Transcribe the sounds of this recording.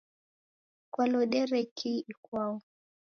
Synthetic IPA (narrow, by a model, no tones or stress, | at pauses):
kwalɔɗɛɾɛkʰiikwaɔ